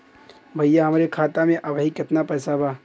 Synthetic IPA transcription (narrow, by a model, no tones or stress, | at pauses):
bʱɐjaɦɐmɾekʰaːt̪amẽʔɐbʱɦikɪt̪napɛːsabʱaː